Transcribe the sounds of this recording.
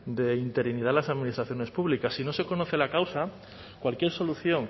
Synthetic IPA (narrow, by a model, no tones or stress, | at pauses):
d̪e̞int̪e̞ɾinið̞alasaðminist̪ɾaθjo̞ne̞spuβlikasːino̞se̞ko̞no̞θe̞lakawsa | kwalkje̞ɾso̞luθjo̞ŋ